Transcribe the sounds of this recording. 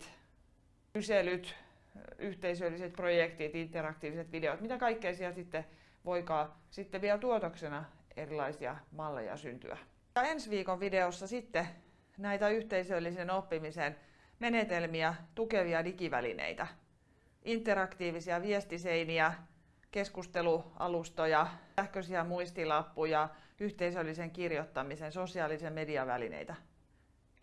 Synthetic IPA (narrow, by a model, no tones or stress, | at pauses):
t̪ | yselyt̪ | yht̪eisølːiset̪projekt̪it̪int̪ːˑerɑkt̪iːʋiset̪ʋideot̪mit̪ækɑikːeisieɛlsit̪ːe | ʋoikɑːsit̪ːeʋiɛlt̪uot̪oksenɑerilɑisiɑ̰mɑlːḛjɑ̰sy̰nt̪y̰æ̰ | ɑensʋiːkoʋʋideosːɑsit̪ːe | næit̪æyht̪eisølːisenopːimisen | menet̪elmiɑt̪ukeʋiɑdikiʋæ̰lḭnḛit̪æ | ʔint̪ːˑeɾɑkt̪iːʋisiæʋiest̪iseiniæ | keskust̪eluʔɑ̰lust̪ojɑæhkøsiæmuist̪ilɑpːujɑyht̪eisølːiseŋkirjot̪ːɑmisensosiɑːlisiɑmediɑʋæ̰lḭnḛit̪æ